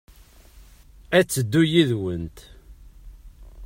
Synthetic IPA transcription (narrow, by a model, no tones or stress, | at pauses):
æt͡sːəd̪ːujiðwənt̪